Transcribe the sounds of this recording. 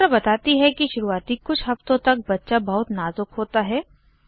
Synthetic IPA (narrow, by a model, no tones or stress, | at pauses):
ɾabɐt̪aːt̪iɦɛkiʃʊɾuaːt̪ikʊt͡ʃʰɦɐft̪õt̪ɐk̚bɐtːʃabɐɦʊt̪naːzʊkɦoːt̪aɦɛː